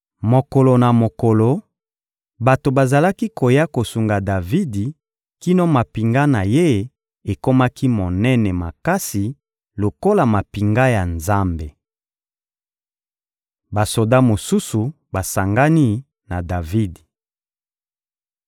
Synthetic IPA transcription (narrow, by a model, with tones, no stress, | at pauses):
mo˨ko˨lo˨na˨mo˨ko˨lo˨ | ba˨to˨ba˨za˨la˦ki˦ko˨ja˦ko˨su˨ŋɡa˨da˨vi˦di˨ | ki˦no˦ma˨pi˨ŋɡa˦na˨je˦ | e˨ko˦ma˦ki˦mo˨nɛ˦nɛ˨ma̰˨ka˦si˨ | lo˨ko˦la˨ma˨pi˨ŋɡa˦ja˨nza˦mbe˨ | ba˨so˨da˦mo˨su˦su˨ | ba˨sa˨ŋɡa˦ni˦ | na˨da˨vi˦di˨